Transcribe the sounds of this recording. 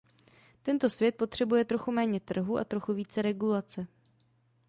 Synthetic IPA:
t̪ɛnt̪o̞svjɛt̪̚po̞t̪r̝̥ɛbujɛt̪ɾo̞xumɛːɲɛt̪r̩ɦuʔa̰t̪ɾo̞xuviːt͡sɛɾɛɡulat͡sɛ

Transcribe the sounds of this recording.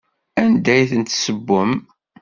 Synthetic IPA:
ænd̪æjθənt̪səbːəm

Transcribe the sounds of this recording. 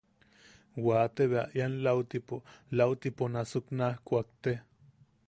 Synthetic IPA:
waːt̪eβea̰ʔjanlawt̪ipolawt̪iponasuknahkʷak̚t̪e

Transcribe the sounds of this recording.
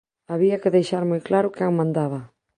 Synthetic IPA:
aβiakɪðejʃaɾmojklaɾʊkɪaŋmãnd̪aβɐ

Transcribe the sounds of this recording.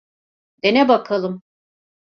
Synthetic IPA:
d̪̥enɛbakʰalˠɯm

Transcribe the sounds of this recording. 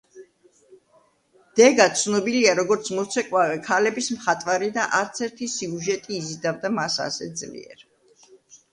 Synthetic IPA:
d̪̥ɛɡat̪sʰnɔbiliaɾɔɡɔɾt̪sʰmɔt̪sʰɛkʼwavɛkʰalɛbismχat̪ʼwaɾid̪aʔaɾt̪sʰɛɾt̪ʰisiuʒɛt̪ʼiːzid̪avd̪amasa̰sɛ̰d̪zlḭɛ̰ɾ

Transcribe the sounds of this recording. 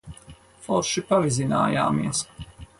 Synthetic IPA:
fɔɾʃipavizina̰ːja̰ːmiɛs

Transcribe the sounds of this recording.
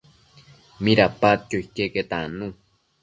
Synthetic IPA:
miɾapat͡ʃ̪joikeket̪anũ

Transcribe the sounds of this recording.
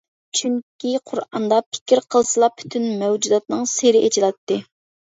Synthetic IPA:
t͡ʃʰyŋkʲiqʰʊɾɑnd̪ɑpʰɪ̥kʲʰiɾqʰəlˠsɨlˠɑpʰːy̥t̪ʰynmɛwd͡ʒud̪ɑt̪̚nɨŋseɾɪʔet͡ʃʰilˠɑt̪ːɨ

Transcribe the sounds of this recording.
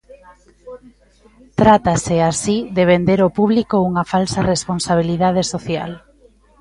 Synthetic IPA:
t̪ɾat̪aseasiðeβ̞end̪eɾopuβlikouŋafalsaresponsaβ̞iliðað̞esoθja̰l

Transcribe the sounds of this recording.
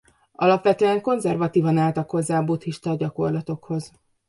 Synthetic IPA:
ɒ̰lɒpʋɛt̪øːɛŋko̞nzɛrvɒt̪iːvɒnaːlt̪ɒkho̞zːaːbut̪hiʃt̪ɒɟɒko̞rlɒt̪o̞kho̞z

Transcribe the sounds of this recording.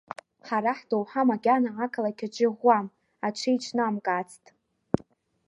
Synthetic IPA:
ħaɾaħdowħamaɡʲanaʕakʰalakʲʰad͡ʒʼɪʁʷːam | at͡ʃʷʰejt͡ʃʷʰnaamkʼat͡sʰʼtʼ

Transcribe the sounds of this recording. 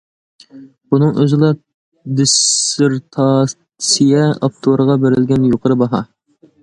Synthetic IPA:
bunɨŋø̰zɪlˠɑ | d̪ɪsɪɾt̪ʰɑ | sijɛɑ̰p̚t̪ʰoɾəʁɑbɪɾɪlɡʲɛnjoqʰəɾɨbɑɦɑ̰

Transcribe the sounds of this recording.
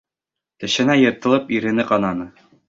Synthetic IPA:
t̪ɘ̆ɕɘ̆næjɤ̆ɾt̪ɤ̆lˠɤpiɾɘ̆nɘqɑnɑnɤ

